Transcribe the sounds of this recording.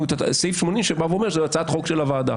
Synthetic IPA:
ut̪asejfʃmo̞nimʃebavuomeʃezeat͡sat̪χo̞kʃelavaːd̪a̰

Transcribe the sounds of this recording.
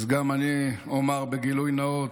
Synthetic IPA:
zɡamaniomaʁbeɡilujnao

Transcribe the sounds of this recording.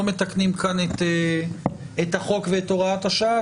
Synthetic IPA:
omet̪aknimkanet̪e | et̪haχo̞kveet̪o̞ʁaat̪haʃaa

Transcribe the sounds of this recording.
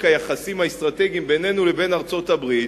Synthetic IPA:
kajaχasimaest̪ʁat̪eɡimbe̞ne̞nulebe̞naʁt͡so̞tabʁi

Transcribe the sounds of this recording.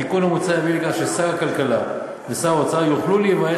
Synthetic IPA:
ikunamut͡sajavilikaʃesaʁakalkala | vesaʁaot͡sajuχlulejivaje

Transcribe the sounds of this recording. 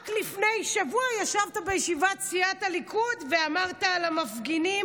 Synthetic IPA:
klifne̞jʃavuajaʃavt̪abejeʃivat͡siat̪alikʰud̪veamaʁt̪aːlamafɡini

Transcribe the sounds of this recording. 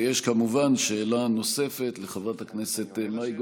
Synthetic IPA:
jeʃkamuvanʃeːlano̞se̞fe̞t̪leχavʁathakneset̪emnajɡ

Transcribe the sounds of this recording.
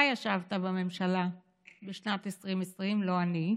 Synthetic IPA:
ajaʃavtabame̞mʃala | beʃnatesʁimesʁimlo̞ani

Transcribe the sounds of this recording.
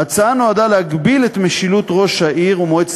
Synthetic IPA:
at͡saano̞adaleaɡbilet̪meʃilut̪ʁo̞ʃhaʔiʁumoet͡s

